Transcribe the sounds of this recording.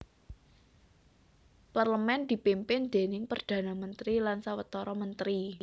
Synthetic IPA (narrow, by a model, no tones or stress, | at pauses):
parləmɛnd̪̥i̤pimpɪnd̪̥e̤nɪŋpərd̪̥ä̤namənt̪ɾilansawət̪ɔɾɔmənt̪ɾi